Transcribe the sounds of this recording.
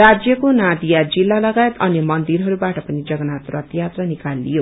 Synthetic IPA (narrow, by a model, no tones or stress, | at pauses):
rad͡zjʌkonad̪ijad͡zilːalʌɡajet̪ʌnimʌnd̪iɾɦʌɾubaʈʌpʌnid͡zʌɡʌnat̪rʌt̪jat̪rʌnikalːḭjo